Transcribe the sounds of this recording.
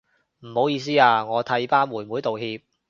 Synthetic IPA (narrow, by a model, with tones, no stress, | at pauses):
m̩˨˩ho˨˧˥wjiː˨˧s̬iː˥aː˧ŋɔː˨˧t̪ʰɐ˨˧˥jpaː˥nmwuː˨˩jmuː˨˥jt̪o˨whiː˧p̚